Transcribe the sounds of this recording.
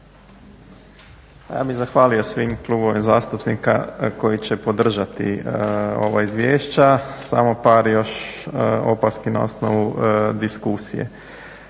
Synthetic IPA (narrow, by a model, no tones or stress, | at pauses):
ja̰ːbiɣzaxʋaːlijo̞sʋimklˠuːboʋimzaːst̪upnika̰ko̞jit͡ɕepo̞d̪r̩ʒat̪ḭ | o̞̰ʋaizʋjeːʃt͡ɕasa̰mopaːɾjo̞ʃ | o̞̰paskina̰o̞̰snoʋud̪iskusijḛ